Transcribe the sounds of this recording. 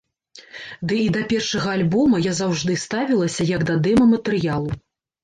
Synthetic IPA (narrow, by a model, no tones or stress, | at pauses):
d̪ɨid̪ɐpʲɛrʂɐɣɐːlʲbɔmɐjazawʐd̪ɨst̪avʲilˠɐsʲɐjɐɡd̪ɐd̪ɛmɐmɐt̪ɨɾɨjalˠu